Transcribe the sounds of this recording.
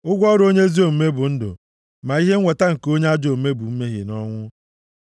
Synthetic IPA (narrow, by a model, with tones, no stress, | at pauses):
ʊ˦ɡʷɔ˦ɾo˦ɲe˦zi˦o˨m̩˦me˦bʊ˨n̩˦dʊ̰˨ | ma˨i˦ɦe˦e˨ta˦ŋ̩˨ko˦ɲe˦a˦d͡ʒo˨˦me˦bu˨m̩˦me˦ɦɪ̰˨nɔ˦ŋʷʊ˦